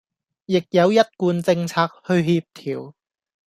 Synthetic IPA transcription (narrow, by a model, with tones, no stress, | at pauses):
jɪ˨k̚jɐ˨˧wjɐ˥t̚kuː˧nt͡sɪ˧ŋt͡sʰaː˧k̚hɵ˧ɥhiː˧p̚t̪ʰiː˨˩w